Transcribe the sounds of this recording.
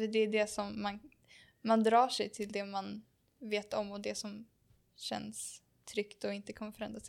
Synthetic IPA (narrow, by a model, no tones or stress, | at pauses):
d̪ɛːɖ̪ɛsɔmːan | mand̪ɾɑːʂɛjt̪ʰɪld̪ɛman | veːt̪ɔmːɔd̪ɛsɔm | ɕɛ̰nːs | t̪ʰɾʏkt̪ɔɪnt̪əkʰɔmːəfœɾɛnd̪ɾasɛ